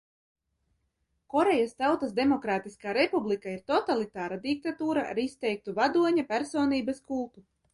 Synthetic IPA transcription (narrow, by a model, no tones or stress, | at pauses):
kɔɾejast̪awt̪asd̪emɔkɾaːt̪iskaːɾepublˠikaiɾt̪ɔt̪alˠit̪aːɾad̪ik̚t̪at̪uːɾaʔa̰ɾist̪ɛjk̚t̪uvad̪uɔɲapʲæɾsoːniːbɐskulˠt̪u